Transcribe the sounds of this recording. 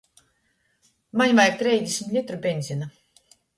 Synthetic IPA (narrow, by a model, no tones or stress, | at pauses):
manʲvajk̚t̪ɾʲɛjzʲd̪ʲesʲimʲt̪ʲlʲit̪ɾubʲenʲzʲina